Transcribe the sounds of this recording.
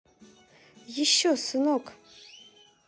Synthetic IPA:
jɪʃosɨnokʼ

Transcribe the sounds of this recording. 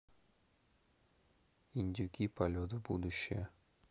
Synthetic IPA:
inʲdʲukʲipɐlʲot̪̬ɨbṵd̪uɕːḛ

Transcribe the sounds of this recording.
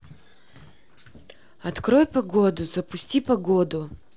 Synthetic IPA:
ɐt̪kɾojpɐɡod̪ʊzɐpʊsʲtʲipɐɡod̪ʊ

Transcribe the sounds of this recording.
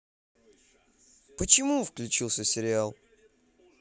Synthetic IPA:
pət͡ɕɪmufklʲʉt͡ɕilˠsʲəsʲɪɾʲɪalˠ

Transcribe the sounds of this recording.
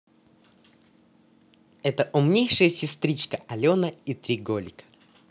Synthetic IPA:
ɛt̪əʔʊmnʲejʂɨjəsʲɪst̪ɾʲit͡ɕkəʔɐlʲonəit̪ɾʲiɡolʲɪkə̥

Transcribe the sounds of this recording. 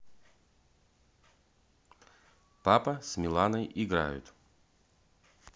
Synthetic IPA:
papəsmʲɪlˠanəjʔɪɡɾa̰jʊ̰t̪

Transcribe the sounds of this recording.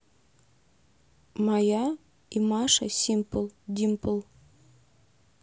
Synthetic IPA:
mɑjɑ | imɑʃa̰sʲimpəlˠd̪ʲimpəlˠ

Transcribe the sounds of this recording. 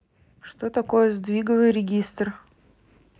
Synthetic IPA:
ʂt̪ot̪ɐkojəzd̪vʲiɡəvɨjɾʲɪɡʲist̪r

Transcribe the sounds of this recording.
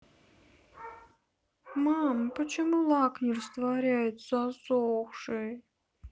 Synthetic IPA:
mampət͡ɕɪmulˠaknʲɪrst̪vaɾʲæjɪt̪z̥asowxʂɨj

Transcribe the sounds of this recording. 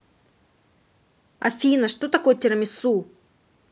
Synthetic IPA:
ɐ̰fʲinɐʂt̪ot̪ɐkojt̪ʲiɾɐmʲisu

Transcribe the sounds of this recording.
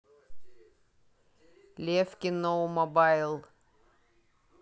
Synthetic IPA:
lʲefkʲɪnowmɔbajlˠ

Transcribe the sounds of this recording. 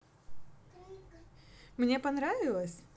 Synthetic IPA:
mnʲepɐnɾavʲɪlˠəsʲ

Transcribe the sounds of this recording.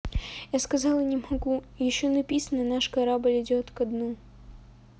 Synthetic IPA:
jaskɐzɑlˠənʲɪmɐɡu | jɪɕːonɐpʲisənənaʂkɐɾabɨlʲɪdʲot̪kɐd̪nu

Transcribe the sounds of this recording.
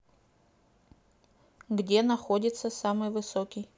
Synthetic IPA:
ɡdʲe̞nɐxodʲɪt̪səsamɨjvɨsokʲɪj

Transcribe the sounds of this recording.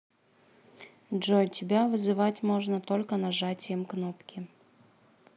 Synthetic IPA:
ʐojtʲɪbʲavɨzɨvatʲmoʐnət̪olʲkənaʐatʲɪjəmknopkʲɪ

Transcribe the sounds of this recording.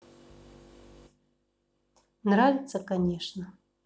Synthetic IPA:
nɾavʲit̪səkanʲɛʂnɐ

